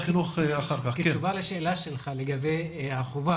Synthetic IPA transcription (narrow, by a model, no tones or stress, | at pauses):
χinuχeaχaʁkaχkket͡ʃuvaleʃeːlaʃelχaleɡabejaχuva